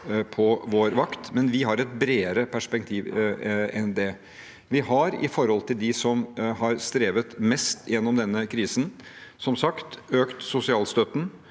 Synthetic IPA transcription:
pʰɔʋoːɾʋɑkt̪mɛnʋɪɦɑɾɛt̪̚bɾeːəɾəpʰæʂpɛk̚t̪ʰiːʋɛnd̪ɛ | ʋɪhɑɾɪ̰fɔɾhɔlt̪ʰɪld̪ɪsɔmɦɑɾst̪ɾeːʋət̪mɛst̪ʰjɛnːɔmd̪ɛnːəkʰɾiːsənsɔmsɑkt̪øːkt̪sʊsɪɑːlst̪œt̪n̩

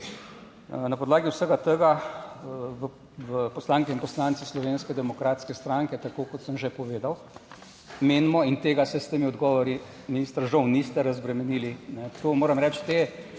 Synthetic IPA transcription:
napɔd̪laːɡiwsəɡat̪əɡa | ʋ | ʋəpɔslaːŋkɛinpɔslant̪sislɔʋeːnskɛd̪ɛmɔkɾaːt̪skɛst̪ɾaŋkɛt̪akoːkɔt̪səmʒɛpɔʋeːd̪aw | meːnmɔint̪eːɡasɛst̪eːmiɔd̪ɡɔːʋɔɾi | miniːst̪əɾʒɔwnist̪ɛɾazbɾɛmɛniːlinɛt̪omoːɾɐmɾɛt͡ʃt̪e

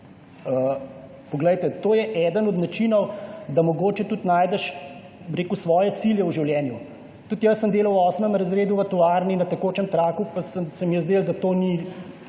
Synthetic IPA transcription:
ə | pɔɡlɛjt̪ɛt̪oːjɛʔɛd̪ənɔd̪nat͡ʃinɔwd̪amɔɡoːt͡ʃɛt̪ut̪naːjd̪ɛʃ | bɾeːkusʋɔːjɛt̪siljɛwʒiwljɛːnju | t̪ut̪jɐsːəmd̪eːlɐwɔːsmɛmɾɐzɾeːd̪uʋɐt̪ɔʋaɾninɐt̪ɛkoːt͡ʃɛmt̪ɾaːkupasəmsəmjəzd̪eld̪at̪oːni

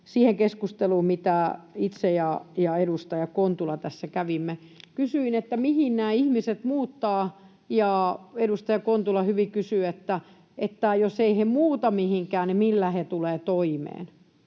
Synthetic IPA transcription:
siːheŋkeskust̪eluːmmit̪æit̪sejɑjɑedust̪ɑjɑkont̪ulɑt̪æsːækæʋimːekysyinet̪ːæmihinnæːihmiset̪muːt̪ːɑː | jɑːedust̪ɑjɑkont̪ulɑhyʋikysyet̪ːæ | et̪ːæjoseihemuːt̪ɑmihiŋkæːnnimilːæhet̪uleːt̪oimḛːn

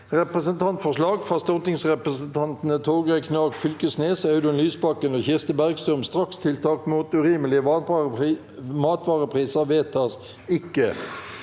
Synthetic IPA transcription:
ʁɛpʁəsənt̪ʰɑnt̪fɔʁʂlɑːɡfʁɑst̪ɔt̪ɪŋsʁɛpʁəsənt̪ʰɑnt̪n̩ət̪ʰoːɡækʰnɑːɡfʏlkəsneːsɔɑʉd̪ɛnlyːsbɑkːənoːçɪʁst̪əbæʁɡst̪ʁʉmst̪ʁɑkst̪ʰɪlt̪ʰɑːkmuːt̪ʉʁiːməlɪə | mɑːt̪ʋɑːʁəpʰʁiːsəʋeːt̪ʰɑs | ɪkːə

